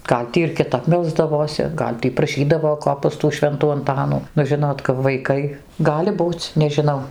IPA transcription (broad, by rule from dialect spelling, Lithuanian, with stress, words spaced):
ˈɡɐlʲ tʲiː ɪr kʲɪˈtɐp ˈmʲɛlˠzdɐʋoːsʲɪ ˈɡɐlʲ tʲiː prɐˈʃʲiːdɐʋoː ˈkoː pɐs tuː ˈʃʲʋʲɛntuː ɐnˈtɑːnuː nʊ ˈʒʲɪnoːt kɐp ʋɐɪˈkɐɪ ˈɡɑːlʲɪ ˈbuːt͡s nʲɛʒʲɪˈnɐʊ